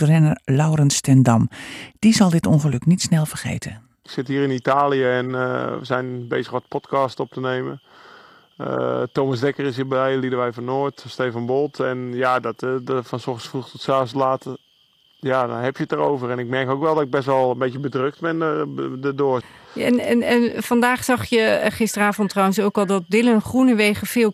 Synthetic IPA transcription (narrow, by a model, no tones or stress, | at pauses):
ərɛnəlawrənstɛndɑmd̥izɑlˠdɪtonχəlɵknitsnɛlˠfərχḛjtʰə̰ | ɪksɪtɦiːɾɪnitaːlijəɛn̰ʋəzɛjnbeːzəxɔtpʰɔtkastɔp̚təneːmə̰ | ə̰toːmasdɛkərɪs̬ɦibəɛjlidəʋɛjfɔnoːətsteːfanbolˠtʰɛnjadɔtfɔnsɔ̃xsfruxtɔtsaːs̬əlaːtə | jadɔnɦɛpjətərowvərɛnɪk̚mɛɹkoːkʋɛlˠdɔtɪɡ̚bɛstʋɔlˠənbejtəbədrøk̚tbɛnədədoəɛnɛnɛnfɑndaːχsɑχjəχɪstəraːvɔntrawəns̬owkɔlˠdɔt̚dɪlənχrunəʋejχəfɪːlˠ